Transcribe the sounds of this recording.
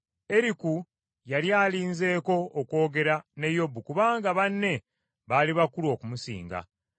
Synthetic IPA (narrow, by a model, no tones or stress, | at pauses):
e̞ɾiku | jaljaːliːnze̞ːko̞oːkwo̞ːɡe̞ɾane̞jo̞bːukuβaːŋɡaβanːe̞ | βaliβakulwo̞ːkumusḭːŋɡa̰